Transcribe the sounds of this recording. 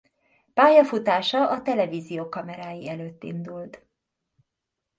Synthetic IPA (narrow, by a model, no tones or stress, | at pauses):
paːjɒfut̪aːʃɒʔɒt̪ɛlɛviːzijoːkɒmɛɾaːjiɛløːt̪ːḭnd̪ult̪